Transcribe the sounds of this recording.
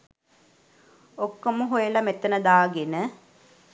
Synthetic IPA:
okːoməɦojəlamet̪ːənəd̪aːɡenə

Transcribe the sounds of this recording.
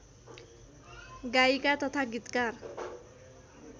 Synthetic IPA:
ɡaikat̪ʌt̪ʰaɡit̪kar

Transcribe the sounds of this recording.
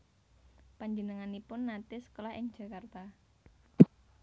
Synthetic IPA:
paɲd͡ʒənəŋanipʊnːat̪ɪsə̥kolahʔɪŋ̥d͡ʒ̥ä̤kart̪a

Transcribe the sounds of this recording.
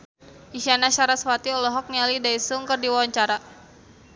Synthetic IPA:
iʃanaʃaɾaswat̪iɔlɔɦɔk̚nialidaisuŋkɨrdiwawaɲt͡ʃaɾa

